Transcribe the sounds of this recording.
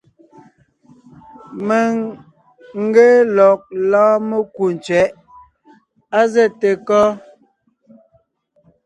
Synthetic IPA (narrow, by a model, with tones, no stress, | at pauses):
me˨ŋ | ŋ̩˦ɡɛ˦lɔ˨k̚lãː˦mə˦ku˨n˨t͡sɥɛ˨˦ʔ | a˦zɛ˦˨te˨kɔ˦